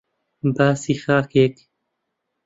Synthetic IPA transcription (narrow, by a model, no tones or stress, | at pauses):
baːsiːxaːkeːk